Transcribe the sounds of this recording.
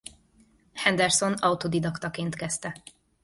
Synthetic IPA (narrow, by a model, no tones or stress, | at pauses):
hɛnd̪ɛrso̞nɒut̪od̪id̪ɒkt̪ɒkeːnt̪kɛst̪ɛ